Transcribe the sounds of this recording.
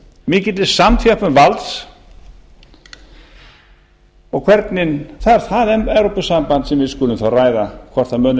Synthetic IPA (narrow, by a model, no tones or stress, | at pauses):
mɪːcɪt̪lɪsamt̪ʰjapʏmvalt̪s | ɔɣkʰvɛɾt̪nɪnθaðɛɾθaðɛmɛvɾɔpʏsampant̪sɛmvɪðskʏːlʏmθawraːjðakʰvɔr̥t̪θamœːn